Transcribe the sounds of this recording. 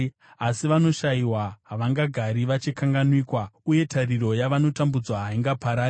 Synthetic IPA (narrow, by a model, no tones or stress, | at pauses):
asiʋano̞ʃaiwaɦaʋaŋɡaɡʱaɾiʋat͡ʃikaŋɡanwiːkwauje̞tʰariɾo̞jaʋano̞tambud͡zwaɦaiŋɡapaɾaː